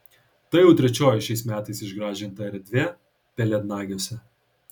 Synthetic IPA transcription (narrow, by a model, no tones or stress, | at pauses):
t̪ɐjɛʊt̪ʲɾʲɛt͡ʃʲoːjɪʃʲɛɪsmʲæːt̪ɐɪsɪʒɡɾɑːʒʲɪnt̪ɐɛɾʲd̪ʲʋʲeː | pʲɛlʲɛd̪nɑːɡʲoːsʲɛ